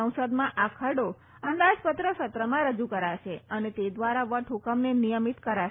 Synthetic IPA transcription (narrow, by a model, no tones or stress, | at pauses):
ə̃w̃səd̪mãʔakʰəɽo | ənd̪ad͡ʒpət̪ɾəʃət̪ɾəmãɾəd͡ʒukəɾaʃeənet̪ed̪ʋaɾaʋəʈʰɦukəmnenijəmit̪kəɾa